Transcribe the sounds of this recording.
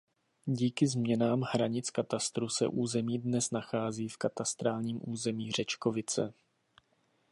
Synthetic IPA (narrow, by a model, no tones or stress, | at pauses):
ɟiːkɪzmɲɛnaːmhɾaɲɪt͡skat̪ast̪ɾusɛ̰ʔuːzɛmiːdnɛsnaxaːziːfkat̪ast̪ɾaːlɲiːmʔuːzɛmiːr̝ɛt͡ʃkovɪt͡sɛ̰